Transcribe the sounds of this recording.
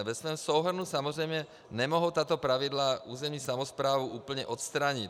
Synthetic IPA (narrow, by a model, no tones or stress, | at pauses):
ʋɛsʋɔjɔmsɔʊɦr̩nusamɔzɾɛjmɲɛ | ɲɛmɔɦɔt̪aːt̪ɔpɾaʋid̪lauːzɛmɲisamɔspɾaːʋuʔuːpl̩ɲɛʔɔt̪st̪ɾaːɲic